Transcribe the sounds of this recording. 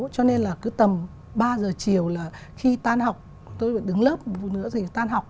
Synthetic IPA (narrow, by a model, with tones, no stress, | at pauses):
t͡ɕɔ˧ne˧nlaː˨˩kɨ˨˦t̪ə˨˩m | ɓaː˧zəː˨˩t͡ɕi˨˩əwlaː˨˩ | xi˧t̪aː˧nha˨˩wk͡p̚ | t̪o˧jfa̰ː˧˨jɗɨ˨˦ŋləː˦˥p̚nɨ̰˧˥ət̪ʰi˨˩t̪aː˧nɦa˨˩wk͡p̚